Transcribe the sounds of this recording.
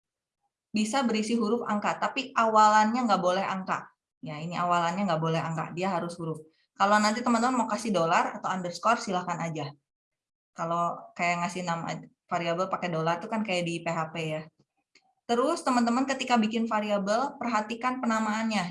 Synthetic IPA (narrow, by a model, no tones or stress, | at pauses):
bisabəɾisiɦuɾʊfa̰ŋkat̪apiʔawalanɲaŋɡaʔbolɛha̰ŋka̰ʔ | jainiʔawalanɲaŋɡaʔbolɛɦaŋka̰ʔdiaɦaɾʊshuɾʊf | kalonant̪it̪əmənt̪̬əmənmakasɪdolara̰t̪awandərskɔrsilahkanad͡ʒa | kalokajaŋasɪhnama̰ | faɾiabəlpakɛdolart̪ukankajaʔdipeɦapeja | t̪əɾʊst̪əmənt̪əmənkət̪ikabikɪnfaɾiabəlpərɦat̪ikanpənamaːnɲa